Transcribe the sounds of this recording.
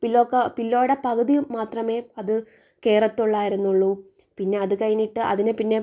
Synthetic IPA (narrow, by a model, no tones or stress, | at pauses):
pilːo̞ːkːɐpilːo̞ːɽepɐɣɐðijuːaːt̪rɐme̞ːɐðɨ | ke̞ːrɐt̪ːuɭːaːjiɾunːuɭːu | pinːe̞ɐðɨkɐjiniʈːɨʔɐ̰ðinɨpinːe̞